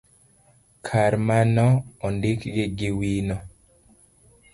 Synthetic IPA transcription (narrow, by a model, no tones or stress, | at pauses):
kʰaɾmanɔɔndɪkɡɪɡɪwinɔ